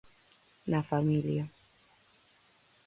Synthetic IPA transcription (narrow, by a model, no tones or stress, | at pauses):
nafamilia